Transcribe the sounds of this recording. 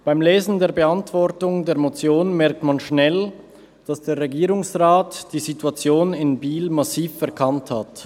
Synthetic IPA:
b̥aɪmleːzn̩deːɐbəantv̥ɔʁtʊŋdeːɐmot͡sjoːnmɛɐk̚tmanʃnɛl | d̥asd̥eːɐʁeɡiːʁʊŋsʁaːtd̥iːzituat͡sjoːnɪnbiːlmasiːfɛɐkʰanthat

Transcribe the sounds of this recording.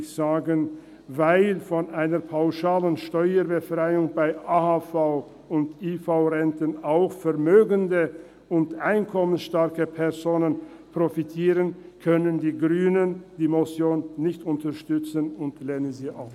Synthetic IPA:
z̥aːɡən | vaɪlfɔnʔaɪnəpʰaʊʃaːlənʃtɔʏəbəfʁ̥aɪʊŋbaɪʔaːhafaʊ | ʊntifaʊʁɛntənaʊxfɛɐmøːɡəndə | ʔʊntʔaɪnkʰɔmənsʃtaɐkəpʰɛɐzoːnən | pʁ̥ofitʰiːʁənkʰœnəndiːɡʁyːnənd̥iːmɔsjoːnːɪçtʊntəʃtʏt͡sənʊntlɛːnənziːʔa̰ʊ

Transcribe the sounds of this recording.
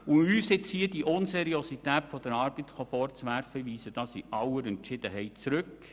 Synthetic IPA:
ʊyːsɪt͡shiːədiʔʊnsɛɾiositɛːtfɔd̥̪əɾɑːɾb̥ətχofɔɾt͡sʋæɾfəʋiːsəd̥ɑːsiʔɑwəɾɛntʃɪd̥̪əɦɛɪt̚t͡sɾɵk

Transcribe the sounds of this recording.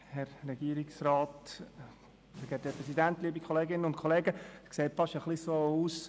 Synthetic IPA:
hɛɾːɛɡ̥iəɾiksraːt | fɛɡɛt̚d̥epʁɛsidænt̪liːəbikʰoleːɡɪnəʊntkʰoleːɡəskseːtfɑʃəχlisoːuːs

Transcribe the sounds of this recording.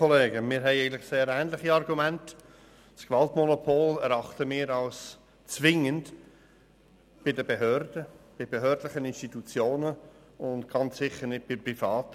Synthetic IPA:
oleːɡəmɪːɾɦɛɪæɪɡən̩tlɪχseːɾæːnlɪχiɑrɡumænt | skʋɑltmonopʰoːlɛɾɑχtəmɪːɾɑʊs | t͡svɪŋənd | b̥ɪdəbeɦøɾd̥əb̥ɪb̥eɦøːɾdlɪχənɪnstit̪ut͡sjoːnə | ʊntɡ̥ɑnt͡ssɪχəɾnɪt̚b̥ɪprifɑːt

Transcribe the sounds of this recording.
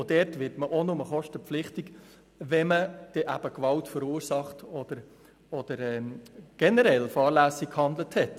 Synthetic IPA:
odɛɾtʋɪɾtməʔonʊməχɔʃtəpp͡flɪχtik | ʋɛməd̥ɛʔæ̰b̥əkʋɑltfəɾuːɾsɑχtɔd̥əɾ | ɔd̥əɾɛɡ̥ɛnəɾɛlfɑːɾlæːsikhɑnd̪ləthɛt

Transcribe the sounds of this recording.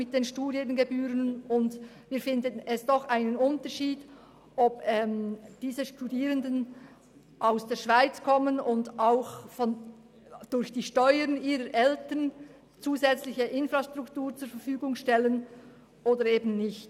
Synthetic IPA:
mɪt̚d̥eːnʃtuːdiənɡebyːɾənʊndviːfɪndənɛsd̥ɔxʔaɪnənʊntəɹʃiːd | ʔɔpɛmd̥iːzəʃtudiːʁəndən | ʔaʊsd̥eːɐʃv̥aɪt͡skʰɔmənʊndaʊxfɔn | d̥ʊɾçd̥iːʃtɔʏəɾniːʁəɾʔɛltən | t͡suːzɛt͡slɪçəʔɪnfʁastʁ̥ʊktuːɾt͡sʊːɐɾfəɾfyːɡʊŋʃtɛlən | ʔoːdəɾeːbn̩nɪçt

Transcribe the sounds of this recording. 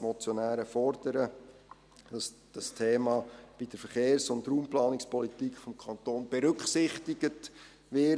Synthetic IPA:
mɔt͡sjonæːɾəfɔɾd̥əɾə | d̥ɑsd̥ɑstʰeːmɑːb̥id̥əɾfəɾχeːɾsʊndɾuːmplɑːnɪkspɔlitikχfɔmkʰɑnt̪oːnb̥ɛɾʏkχsɪχtɪɡ̥ət | ʋɪ

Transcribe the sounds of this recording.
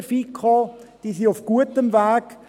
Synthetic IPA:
fiːkʰɔd̥isiʊfɡ̥uətəmvaːk

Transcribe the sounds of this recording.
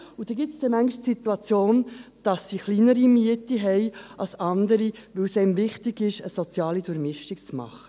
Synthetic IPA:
ud̥ɛɡɪtsd̥ɛmæŋɡɪʃtsit̪uɑt͡sjoːnd̥ɑsːiχliːnəɾimiətiɦɛɪɑlsɑndəɾiʋɵwsɛɪmvɪχtɪɡɪʃəsɔt͡sjɑːlidʊɾmɪʃtikt͡smɑ̰χə

